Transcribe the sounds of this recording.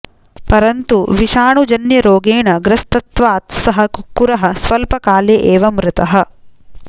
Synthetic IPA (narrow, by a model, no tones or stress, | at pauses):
pɐɾɐnt̪uʋiʃaːɳud͡ʒɐnjɐɾoːɡeːɳɐɡɾɐst̪ɐt̪ʋaːt̪sɐɦɐkukːuɾɐɦɐsʋɐlpɐkaːljeʔeːʋɐmɾɪt̪ɐɦɐ